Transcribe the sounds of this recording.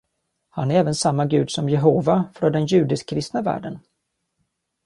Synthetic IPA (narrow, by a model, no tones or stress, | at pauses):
hanæɾɛːvənsamːaɡʉ̟ːd̪sɔmjɛɦoːvafɾɔd̪ɛnjʉ̟ːd̪ɪskʰːɾɪst̪navæ̰ːɖən